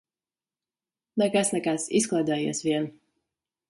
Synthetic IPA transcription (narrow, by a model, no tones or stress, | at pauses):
nɛkasnɛkasisklˠaːd̪ɛːjḭɛsvʲiɛn